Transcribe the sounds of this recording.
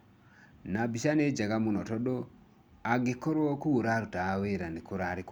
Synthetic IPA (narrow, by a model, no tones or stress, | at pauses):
nabiʃaned͡ʒaɡamunɔtɔdo | aɡekɔɾwɔkuwoɾaɾutaweɾanikoɾaɾik